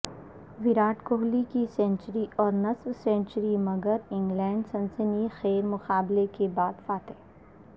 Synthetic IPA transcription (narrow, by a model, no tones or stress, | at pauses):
ʋɪɾaːʈkoːɦlikisɛ̃ːɳt͡ʃəɾiʔɔːɾnɐswsɛ̃ːɳt͡ʃəɾimɐɡəɾɪ̃ŋɡlɛ̃ːɳɖsɐ̃nsənixɛːɾmʊqaːblekebaːd̪faːt̪eː